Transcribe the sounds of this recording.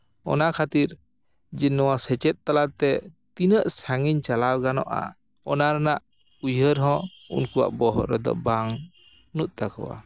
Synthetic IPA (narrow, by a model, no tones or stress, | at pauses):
ɔ̰nakʰat̪iɾ | d͡ʒinːɔwasɛt͡ʃɛt̪̚ːalat̪ɛt̪inəʔsaŋiɲt͡ʃalawɡanɔ̰ʔa̰ | ɔnaɾɛnaʔ | ujɦəɾɦɔ̃ | ṵnkuwa̰ʔbɔɦɔ̰ʔɾɛd̪ɔ̰baŋ | nut̪̚ˀt̪akɔ̰wa̰